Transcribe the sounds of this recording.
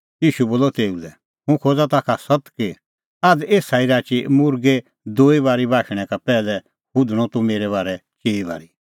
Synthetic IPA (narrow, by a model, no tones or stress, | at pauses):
jiːʃuboːlɔt̪eːulɛ | ɦʊ̃kʰoːd͡zat̪akʰasɐt̪kɪ | aːd͡zeːsaːiɾaːt͡ʃimʊɾɡe | d̪oːibaːɾibaːʃɽ̃ɛ̃kapɛːlɛ | kʊd̪ʱɽ̃ɔt̪umeːɾɛβaːɾɛt͡ʃeːiba̰ːɾi